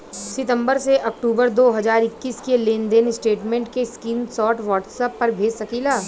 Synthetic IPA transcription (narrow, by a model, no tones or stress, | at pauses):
sɪʈ̪ə̃mbəɾseʔɐk̚ʈuːbəɾd̪oːɦɐzaːɾɪkːiːskeleːnd̪eːnɪsʈeːʈmẽɳʈkeskiːnsɔːʈʋɔːʈsəpːɐɾbʱeːd͡ʒsɐkiːlaː